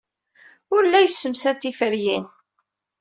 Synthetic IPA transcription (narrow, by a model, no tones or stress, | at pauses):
ʊɾlːæjəsːəmsænt̪ifəɾjin